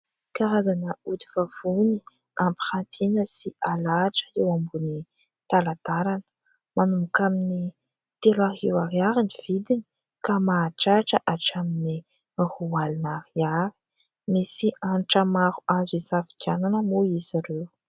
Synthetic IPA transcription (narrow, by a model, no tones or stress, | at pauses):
kaɾazanəut̪i̥fav̥uni | ampi̥χant̪ʰinəsialaʈ͡ʂə̥ewambuni | t̪alat̪aɾanə̥ | manumukamini | t̪elaɦiwaɾiaɾiniv̥id̪ini | kamaʈ͡ʂaʈ͡ʂəʔaʈ͡ʂamini | huwalinaɾiaɾi̥ | misiʔanʈ͡ʂəmaɾuazizafi̥kʰʲananəmuizaɾew